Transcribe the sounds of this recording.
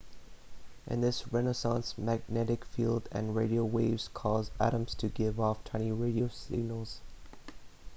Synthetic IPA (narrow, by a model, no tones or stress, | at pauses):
ʔɨ̰̃nðɪsɹɛnəsɑ̃nsmæɡ̚nɛɾɨkfilˠdɨ̰̃nɹeɪɾioʊweɪvz̥kʰɔzæ̰ɾə̃mz̥tʰɨɡɪvɔftʰw̥ɛ̃ñiɹeɪɾioʊsɪɡ̚nl̩ˠz̥